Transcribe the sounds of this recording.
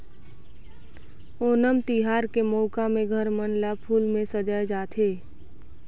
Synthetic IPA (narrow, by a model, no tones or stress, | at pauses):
oːnəmt̪iɦaːɾkemoːkamẽɡʱəɾmənlapʰuːlmẽsəd͡ʒaːjd͡ʒaːt̪ʰeː